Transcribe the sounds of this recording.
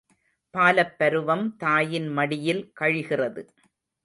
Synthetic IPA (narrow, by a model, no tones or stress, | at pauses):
paːlɐpːɐɾɯʋɐmt̪aːjɪnmɐɽɪjɪlkɐɻɣɪrɐðɯ